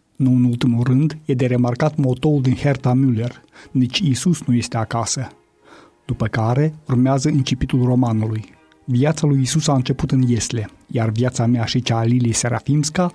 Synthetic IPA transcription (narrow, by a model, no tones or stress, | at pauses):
nuɨnult̪imulrɨnd̪je̞d̪e̞ɾe̞markat̪mo̞t̪o̞uld̪inhert̪amyle̞rnit͡ʃʲisusnuje̞st̪e̞akasə | d̪̥upəkaɾe̞urmeazəint͡ʃipit̪ulro̞manuluj | viat̪salujisusaɨnt͡ʃe̞put̪ɨnje̞sle̞ | jarvjat̪sameaʃit͡ʃalileseɾa̰fimska